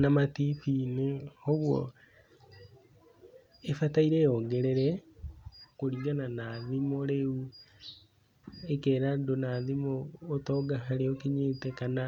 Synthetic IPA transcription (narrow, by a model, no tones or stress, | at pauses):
namatifinehoβwɔ̰ | efataiɾeːjɔɡeɾeɾɛ | koɾiːŋɡananaðimoɾeu | ekeːɾadonaðimoːtɔːɡaɦaɾeokeɲeːtekana